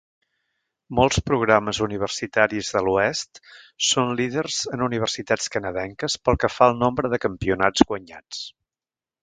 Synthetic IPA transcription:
molˠspɾuɣɾaməzuniβ̞ərsit̪aɾizðəluɛst̪ | sonliðərzənuniβ̞ərsit̪at͡skənəðɛŋkəspəlˠkəfaəlˠnombɾəðəkəmpiunad͡zɣwəɲa̰t͡s

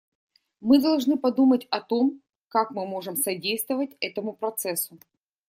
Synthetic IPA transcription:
mɨd̪ɐlˠʐnɨpɐd̪umətʲɐt̪o̞m | kakmɨmo̞ʐɨmsɐdʲejst̪vəvət̚ʲɛt̪əmʊpɾɐt̪sɛsʊ

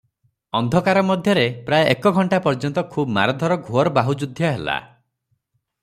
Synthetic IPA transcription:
ɔnd̪ʱɔkaɾɔmɔd̪ʱjɔɾepɾaeʔekɔɡʱɔɳʈapɔɾd͡ʒɔnt̪ɔkʰubma̰ɾɔd̪ʱɔɾɔɡʱoɔɾɔbaɦud͡ʒud̪ʱjɔɦela̰

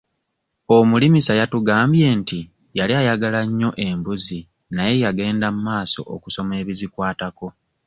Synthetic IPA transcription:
o̞mulimisajatuɡaːmbje̞ːnti | jaliajaɡalaɲːo̞ʔe̞mbuzi | naje̞jaɡe̞ːndamumaːso̞̰ʔo̰kuso̞me̞ːβizikwaːtako̞

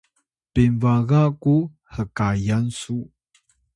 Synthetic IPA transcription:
b̥invaɣaku | həkajansu

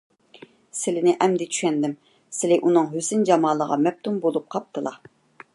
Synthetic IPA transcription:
sɪlɪnɪʔɛmd̪ɪt͡ʃʰy̥ʃɛnd̪ɪm | sɪlɪʔunɨŋɦysɪnd͡ʒɑmɑːlˠəʁɑ̰mɛp̚t̪ʰumbolˠup̚qʰɑp̚t̪ɨlˠɑ̰

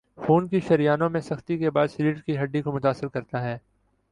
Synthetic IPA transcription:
fuːnkiʃɐɾijaːnõmẽsɐxt̪ikebaːd̪sliːɖkiɦɐɖːikomʊt̪aːsɪɾkɐɾt̪aɦɛː

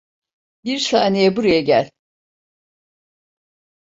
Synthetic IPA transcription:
biɾsanijɛbuɾajaɟælʲ

